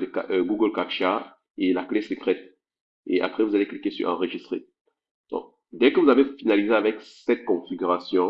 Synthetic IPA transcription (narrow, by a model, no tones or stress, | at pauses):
d̪əka̰ɡuɡəlkakʃa | elaklesəkχɛt̪̚ | ḛʔa̰pχɛvuzaleklikesy̰ʁɑ̰̃ʁəʒist̪χḛ | d̪̥ɔ̰̃k̚ | d̪ɛkəvuzavefinalizeavɛksɛt̪̚kɔ̃fiɡʲyʁasjɔ̃